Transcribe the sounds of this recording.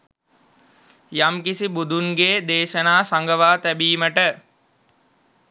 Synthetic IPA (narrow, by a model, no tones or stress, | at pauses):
jamkisibud̪ʱunɡeːd̪eːʃənaːsaŋɡəʋaːt̪æbiːməʈə